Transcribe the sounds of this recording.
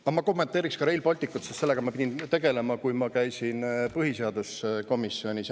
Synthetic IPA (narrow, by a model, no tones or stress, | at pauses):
ɑmɑko̞mːe̞nt̪ːˑeːɾikskɑɾe̞jlbɑlʲt̪ikːˑut̪sest̪se̞lːeɡ̥ɑmɑpid̪ʲint̪e̞ɡ̥e̞le̞mɑkujmɑkæjsinpɯɦise̞ɑd̪̥usko̞misːio̞nʲis